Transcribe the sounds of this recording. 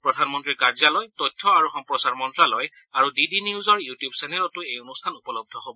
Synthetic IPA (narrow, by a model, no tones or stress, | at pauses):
pɹɔdʱanmɔntɹiɹkaɹzalɔjtɔjtʰːɔaɹuxɔmpɹɔsaɹmɔntɹalɔj | aɹudidiniuzɔɹjutijubsɛnɛlɔtʊejonustʰanupɔlɔb̚dʱɔɦobɔ